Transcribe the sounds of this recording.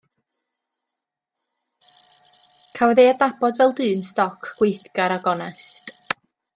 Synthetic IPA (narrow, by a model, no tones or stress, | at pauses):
kʰawɛðejadnabɔdvɛlˠdɨːnstɔkʰɡ̥wejθɡ̥aɾaɡɔnɛst